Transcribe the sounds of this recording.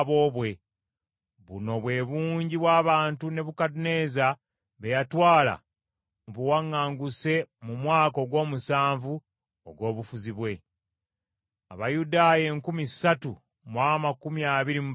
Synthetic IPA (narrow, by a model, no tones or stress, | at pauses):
βoːβwe̞ | βṵno̞βwe̞βuːɲɟiβwaːβaːntune̞βukadune̞za | βe̞jatwaːla̰ | muβuwaŋːaːŋɡuse̞mumwaːko̞ɡwo̞ːmusaːɱvu | oɡwo̞ːβufuziβwe̞ | a̰βajudaːjeːŋkumisatu | mwaːmakumiaːβiɾimu